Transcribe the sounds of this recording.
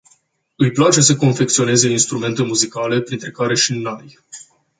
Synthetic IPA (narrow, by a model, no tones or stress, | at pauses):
ɨjplat͡ʃe̞səko̞nfe̞k̚t̪sio̞ne̞ze̞inst̪ɾume̞nt̪e̞muzikale̞pɾint̪ɾe̞kaɾe̞ʃinoj